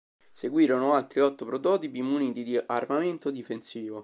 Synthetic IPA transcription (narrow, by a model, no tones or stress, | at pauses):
seɡwiːɾonoalt̪ɾiɔt̪ːopɾot̪ɔːt̪ipiːmːuniːt̪id̪iʔarmament̪od̪ifensiːvo